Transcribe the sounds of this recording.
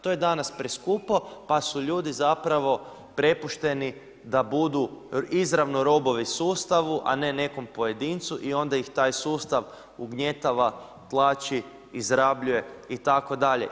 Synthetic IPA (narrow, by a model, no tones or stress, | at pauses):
t̪oje̞d̪anaspɾeskupopasuʎuːd̪izapɾaʋo̞ | pɾe̞puʃt̪e̞ni | d̪abud̪uizɾaʋnoɾo̞bo̞ʋisuːst̪aʋuʔa̰ne̞ne̞ko̞mpoje̞d̪int̪suʔio̞nd̪aixt̪aːjsuːst̪aʋ | uɡɲe̞t̪aʋa | t̪lˠaːt͡ʃi | izɾabʎuje̞it̪ako̞d̪aʎḛ